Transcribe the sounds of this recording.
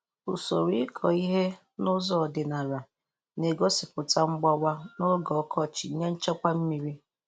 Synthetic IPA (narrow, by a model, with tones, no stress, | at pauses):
ʊ˨so˨ɾi˦ɪ˦kʰɔ˨i˦ɦe˦ | nʊ˦zɔ˦ɔ˨dɪ˨na˨ɾa˨ | ne˨ɡo˦sɪ˨pʊ˨ta˦ŋ͡m̩˦ɡ͡ba˦wa˦nʊ˦ɡɔ˨˦kʰɔ˦˨t͡ʃɪ˨˦ɲe˦n̩˦t͡ʃɔ˦kʷa˦m̩˦mi˨ɾi˦